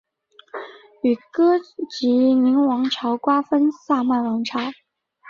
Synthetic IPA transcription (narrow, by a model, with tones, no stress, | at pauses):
y˨˩kɤ˥t͡ɕi˧˥ni˧˥ŋwɑ˧˥ŋʈ͡ʂʰɑ˧˥ʊkwa˥fə˥nsa˥˧ma˥˩nwɑ˧˥ŋʈ͡ʂʰɑ˧˥ʊ